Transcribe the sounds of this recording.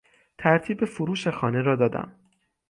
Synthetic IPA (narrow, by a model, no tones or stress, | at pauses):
t̪ʰæɾt̪ʰiːbefoɾuːʃexɒːne̞ɾɒːd̪ɒːd̪æ̰m